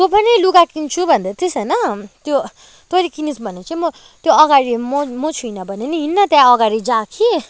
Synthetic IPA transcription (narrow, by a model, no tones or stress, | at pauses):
t̪opʌniluɡakint͡sʰubʱʌnd̪at̪esʌnʌt̪jo | t̪oɾikinisbʱʌnet͡sãĩmʌ | t̪joʌɡaɾimomot͡sʰujnʌbʱʌneniɦinːʌt̪jãʌɡaɾid͡zãkʰi